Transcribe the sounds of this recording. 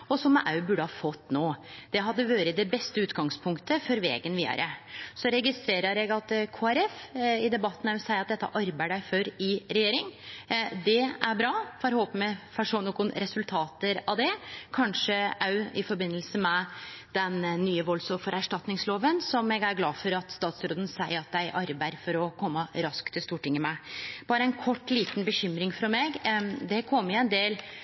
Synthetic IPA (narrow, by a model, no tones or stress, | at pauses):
ɔsɔmːɛ̰ʔɑʉbʉɖəhɑːfɔt̪ːnoːd̪̥ɛɦɑd̪ːəʋɑːɾəd̪ɛbɛst̪əʉːt̪ɡɑŋspʰʊŋkt̪əfɔɾʋḛːɡənʋiːd̪ə̰ɾʔəsɔɾɛɡɪst̪ɾeːɾəɾɛɡɑt̪kʰoːæɾɛfɪd̪ɛbɑt̪ːnɑsæɪɑt̪̚d̪ɛt̪ːə̰ʔɑɾbæɪəɖæɪfœɾɪɾɛjeːɾɪŋ | d̪ɛæɾbɾɑːfɑɾhoːpəməfɑʂɔnɔkʊnɾɛsʉlt̪ʰɑːt̪əɾɑd̪ɛkʰɑnʂəʔɑʉɪfɔɾbɪnːəlsəmɛd̪̥ɛnːyːəʋɔlsɔmfɔɾæʂʈɑt̪nɪŋsloːʋənsɔmɛɡæɾɡlɑːfɔɾɑt̪st̪ɑːt̪sɾoːd̪ən̩sæɪəɾɑt̪̚d̪æɪʔɑɾbæɪɾfɔɾɔkʰɔmːəɾɑskt̪ʰɪlst̪uːʈɪŋːəmɛb̥ɑːɾəɛɪnkʰɔʈːliːt̪nbəɕʏmɾɪŋfɾɑmeɡd̪ɛkʰɔmːjʊɛnd̪eːl